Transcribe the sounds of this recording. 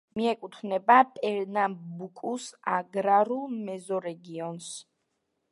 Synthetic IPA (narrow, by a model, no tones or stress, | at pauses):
miɛkʼut̪ʰvnɛbapʼɛɾnambukʼusaɡɾaɾulˠmɛzɔɾɛɡiɔns